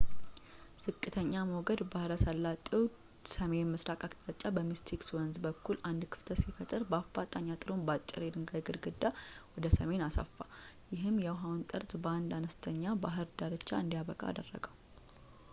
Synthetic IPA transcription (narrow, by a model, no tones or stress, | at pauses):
z̥ɨkʼːɨt̪ʰəɲːaməwɡəd̪bahɨɾəsəlːat̪ʼiw | səme̞nmɨsɾakʼakʼt̪ʼat͡ʃʼːabəmist̪ʰikswɔnzbəkːuland̪kʰɨ̥ft̪ʰəsifət̪ʼɨɾbəafat̪ʼaɲːat̪ʼɨɾonbat͡ʃʼːɪ̰ɾed̪ɨŋɡajɡɨɾɡɨd̪ːawɔd̪əsəme̞nasa̰fːajɪɦɨmːjɛwɦawnt̪ʼɨɾt̪ʼbəand̪anəst̪ʰəɲːabaɦɨɾd̪aɾɨt͡ʃːaɨnd̪ijaβəkʼa̰a̰d̪ərːə̰ɡəw